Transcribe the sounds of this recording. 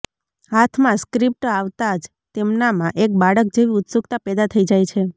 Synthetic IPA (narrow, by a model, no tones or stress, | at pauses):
ɦat̪ʰmãskɾip̚ʈaʋt̪ad͡ʒ | t̪emnamãʔek̚baɽək̚d͡ʒeʋiʊt̪sukt̪apɛd̪at̪ʰəid͡ʒajt͡ʃʰe